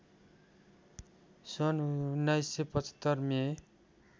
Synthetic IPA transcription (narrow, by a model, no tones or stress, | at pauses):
sʌnnːajsepʌt͡sʰʌ̥t̪ːʌrme